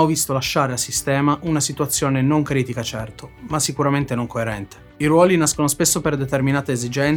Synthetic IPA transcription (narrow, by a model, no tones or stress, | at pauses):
ɔvist̪olaʃːaːɾeasist̪ɛːmaʔunasit̪uat̪sːjoːnenoŋkɾiːt̪ikat͡ʃɛrt̪omasːikuɾament̪enoŋkʰoeɾɛnt̪e̥ | iɾwɔːlinaskonospesːoperd̪et̪erminaːt̪eezid͡ʒɛn